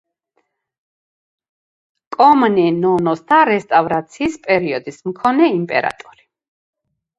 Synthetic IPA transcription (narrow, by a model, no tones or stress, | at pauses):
kʼɔmnɛnɔnɔsd̪aɾɛst̪ʼavɾat̪sʰiːspʼɛɾiɔd̪ismkʰɔnɛimpʼɛ̰ɾa̰t̪ʼɔɾi